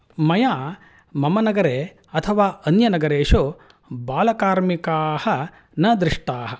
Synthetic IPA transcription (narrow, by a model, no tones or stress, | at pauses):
mɐjaː | mɐmɐnɐɡɐɾeː | ɐt̪ʰɐʋaːʔɐnjɐnɐɡɐɾeːʃo | baːlɐkaːɾmikaːhɐ | nɐd̪ɾiʂʈaːɦɐ̆